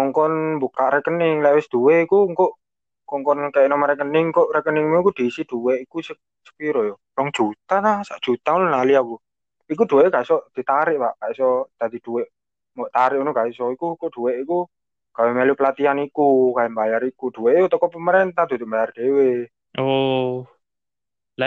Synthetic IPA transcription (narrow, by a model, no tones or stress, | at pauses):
ɔŋkɔnbukaʔɾɛkənɪŋlɛwɪsd̪̥uweikuŋkoʔ | kɔŋkɔnkajʔnɔmaɾɛkənɪŋkoʔrɛkənɪŋmuikud̪̥isid̪̥uweʔikusə | sə̥kiɾɔjɔ | kɔŋd̥ʒ̥ut̪anasaʔd̥ʒ̥ṳt̪aununaliaku | ik̬ud̪̥ṳweʔkaisɔʔd̪̥i̤t̪aɾɪʔpaʔkaisɔd̪̥ad̪i̤d̥uweʔ | mɔʔt̪aɾɪʔunukaisɔikukoʔɖ̥uweʔiku | ɡ̥awemelupəlat̪ianikukaɛmbajaɾikuɖ̪̥uweʔjot̪ɔkɔpəməɾent̪ahd̪̥ut̪uʔmbajard̪̥ewe | o | la